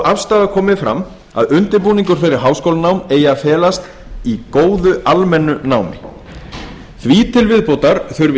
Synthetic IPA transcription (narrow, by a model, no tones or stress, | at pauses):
afst̪aːðakʰɔːmɪfɾa̰m | a̰ðʏnt̪ɪɾpuːniŋkʏɾ̥fɛːɾɪɾ̥ɦaːwskoːwlanawmeːjafɛːlast̪ | ikoːwðʏalmɛnːʏnaːwmɪ̰ | θviːt̪ʰɪlvɪðpowt̪aɾ̥θʏɾvɪ